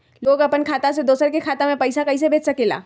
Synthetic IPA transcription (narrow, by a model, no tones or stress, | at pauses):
loːɡɐpənkʰaːt̪ased̪oːsəɾkekʰaːt̪amẽpɐɪsakɐis̬ebʱeːt͡ʃsɐkela̰ː